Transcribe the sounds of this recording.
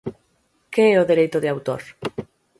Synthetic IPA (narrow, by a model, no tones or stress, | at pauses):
keɛoðeɾejt̪ʊðeawt̪o̰ɾ